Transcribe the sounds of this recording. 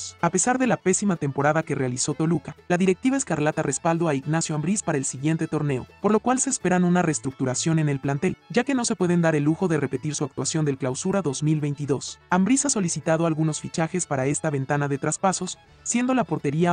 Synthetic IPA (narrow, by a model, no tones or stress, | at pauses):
ape̞saɾðe̞lape̞simat̪e̞mpo̞ɾaðakerealiso̞t̪o̞lukalaðiɾe̞k̚t̪iβaeskaɾlat̪are̞spald̪oaiɣnasjo̞ambɾispaɾaelsiɣje̞nt̪e̞t̪o̞ɾne̞o̞po̞ɾlo̞kwalse̞ːspe̞ɾanũnarest̪ɾuk̚t̪uɾasjo̞ne̞ne̞lplant̪e̞lɟ͡ʝake̞no̞sepwe̞ð̞e̞nd̪aɾe̞lːuxo̞ðe̞re̞pe̞t̪iɾsuak̚t̪wasjo̞nd̪e̞lklawsuɾaðo̞zmilβejnt̪iðo̞sambɾisaso̞lisit̪aðoalɣuno̞sfit͡ʃaxe̞spaɾae̞st̪aβe̞nt̪anaðe̞t̪ɾaspaso̞sː | je̞nd̪o̞lapo̞ɾt̪e̞ɾia